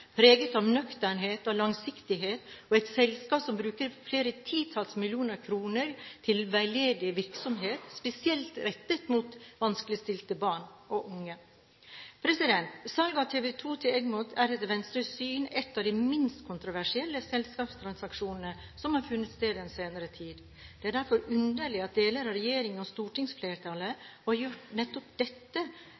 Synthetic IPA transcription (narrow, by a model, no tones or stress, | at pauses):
pʰɾeːɡət̪ɔmnœkt̪æɳɦeːt̪ɔlɑŋsɪkt̪ɪɦeːt̪ɔɛɪt̪sɛlskɑːpsɔmbɾʉːkəɾfleːɾət̪ʰiːt̪ʰɑːlsmɪlɪuːnəɾkʰɾuːnəɾt̪ʰɪlʋæɪleːd̪ɪʋɪɾksɔmɦeːt̪spɛsɪɛlt̪ɾɛt̪ːət̪mut̪ʋɑnskəlɪst̪ɪlt̪əbɑːɳʔɔʔʊŋːə | pʰɾɛsɪd̪ɛnt̪sɑlɡɑt̪ʰeːʋɛt̪ʰuːt̪ʰɪlɛɡmʊt̪ʰæɾɛt̪ʋɛnst̪ɾəsyːnɛt̪ːɑʋd̪imɪnst̪kʰʊnt̪ɾʊʋæʂɪɛlːəsɛlskɑːpst̪ʰɾɑnsɑkʂuːnən̩ə | sɔmhɑɾfʉnːət̪st̪eːd̪ɛnseːnəɾət̪ʰiːd̪ | d̪̥ɛæɖæɾfɔɾʉnd̪əɭɪɑt̪̚d̪eːləɾɑɾɛjeːɾɪŋənɔst̪uːʈɪŋsfleːɾʈ̪ʰɑləɔɾjʊʈnɛt̪ːɔpd̪ɛt̪ːə